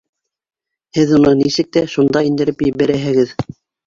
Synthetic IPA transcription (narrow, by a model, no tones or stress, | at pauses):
hɘðunɤnisɘk̚t̪æʃund̪ɑind̪ɘ̆ɾɘpjbæɾæɦɘ̆ɡɘð